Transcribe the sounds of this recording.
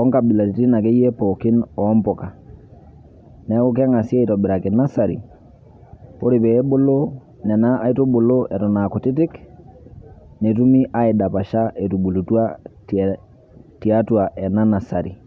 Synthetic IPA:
ɔ˦ŋka˨bi˨la˨ti˨ti˦na˨kɛ˦jɛ˦pɔ˨kɪ˦nɔː˨˦mpɔ˨ka˨ | nɛ˦kʊ˦k̬a˦ŋa˨si˦ɛ˦i˨tɔ˨bɪ˨ɾa˨kɛ˨na˦sa˨ɾḭ˨ | po˦ɾɪ˨pɛ˨ɛ˦bo˦lo˦ | nɛ˨na˦a˦i˦to˦bo˨lo˦ʔɛ˨tɔ˨na˨kɔ˨tɪ˦t̬ɪ˦k | nɛ˨tu˦mi˦ʔa˦ɪ˨da˨pa˨ʃa˦ʔɛ˨tu˨bu˨lu˨twa˦ | ti˨a˦twa˨ʔɛ˨na˦na˨sa˨ɾḭ˨

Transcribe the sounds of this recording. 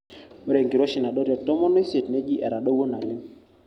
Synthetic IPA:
ɾe˨ŋɡi˨ɾo˦ʃɪ˨na˨dɔ˦ɾjɔ˨tɔ˦mɔ˦nɔ˦i˦se˨tne˦d͡ʒi˦ʔɛ˨ɾa˨ɗo˦wo˦na˨lɪ˦m

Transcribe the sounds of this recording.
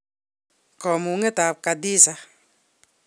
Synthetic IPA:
kɔ˨mu˨ŋe˦ta˨p̚ka˨di˦sa˦

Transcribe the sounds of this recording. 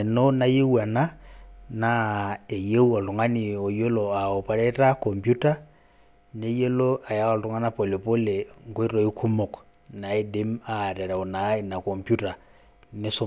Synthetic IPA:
ɛ˨no˦na˦je˦wa˨na˦na˦e˨je˦u˦ɔ˨ltʊ˨ŋa˦nɪ˨o˨jo˦lo˨a˨ɔ˨pa˨ɾɛ˦ɾa˦kɔ˨mpju˦ta˦ | ne˦je˦lo˦a˨ja˦ɔ˨lɾʊ˨˦ŋa˦na˦po˨le˨po˦le˨ŋko˦i˦ɾo˨i˦kʰu˦mo˨k | na˨e˦de˦ma˦˨ɾɛ˨ɾa˨o˨na˨˦i˨na˨kɔ˨mpju˦ta˨ | nɪ˦so˦

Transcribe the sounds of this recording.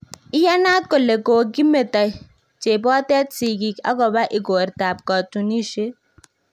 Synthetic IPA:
i˦ja˦naː˦t̪̚kɔ˨le˨koː˨ɡi˦me˨t̪a˨ | t͡ʃe˨bɔː˦t̪ɛ˦t̪si˨ɡi˨ka̰˦ɡɔ˨ba˦ʔi˨ɡoː˨ɾt̪aː˨p̚kɔ˨t͡ʃu˨ni˦ʃe˦

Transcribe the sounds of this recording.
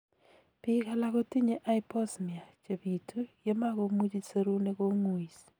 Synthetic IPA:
pɪ˦ka˨la˨ko˦ti˦ɲe˦ʔa˦i˦pɔ˦smi˨a˨t͡ʃe˨bi˨tʰu˦je˦ma˦ko˦mu˦d͡ʒi˦se˦ɾu˦ne˦ko˦ŋwi˨s

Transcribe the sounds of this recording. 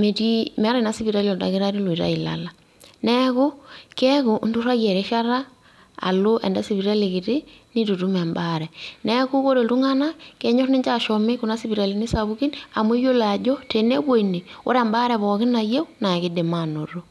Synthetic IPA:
me˨ti˦mɛ˨a˦ɾa˨na˦si˦βi˨ɾa˦li˦ɔ˨da̰˨kɪ˦ɾa˦ɾi˦li˨ɾa̰˦i˨la̰˨la˦ | nɛ˦ku˦kɛ˦ku˨ndu˦ɾa˦jɛ˨ɾe˦ʃa˦ɾa̰ː˦˨ | lo˦ʔɛ̰˨nda˦si˨βi˨ɾa˦li˨kɪ˨tɪ˦ni˦tu˨tu˦mɛ˨mba˦ɾɛ˨nɛ˦ku˦ko˦ɾe˨tu˦ŋa˦na˦kɛ˨ɲo˦rni˦ɲt͡ʃa˨ʃɔ˨me˦ku˨na˦si˦βi˨ɾa˨li˨ni˦sa˨βu˦ki˦na˨m˦e˦jo˦la˨d͡ʒɔ˦te˨nɛ˦bwo˦ini˨o̰˦ɾɛ˨mba˦ɾɛ˨βɔ˨kɪ˦na˨je˦wna˨ki˦de˨ma˦no˨ɾo˦

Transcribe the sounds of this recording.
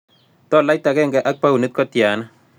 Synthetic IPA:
tɔ˦˨la˦jta˨kɛ˦ŋɡɛ˨ʔa˦k̚pa˦wu˨ne˦t̚kɔ˦tja˨na˦

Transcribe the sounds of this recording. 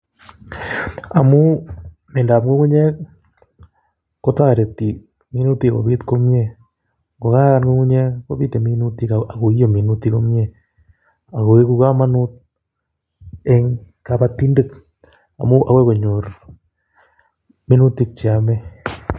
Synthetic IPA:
a˨mu˦ | me˨nda˨pŋɡo˦ɣu˦ɲe˦ | ko˦ta˦ɾe˨ti˨ | mi˦nu˦ti˦ɣo̰˨βi˦tko˦mje˦ | ŋɡo˨ɣa˦ɣa˦nɡo˦ɣu˦ɲe˦ko˦βi˦te˨mi˦nu˦tiaa˨ɣo˨i˦o˨mi˨nu˦tiɣo˦mje˦ | a˨ɣo˨e˦ɣu˦ɣa˦ma˦nu˦t̚ | e˦ŋ | ka˨βa˦ti˦nde˦t | a̰˨mu˦ʔa̰we˦ɣo˨ɲo˨ɾ | mi˦nu˦ti˦t͡ʃi˨a˨me˦

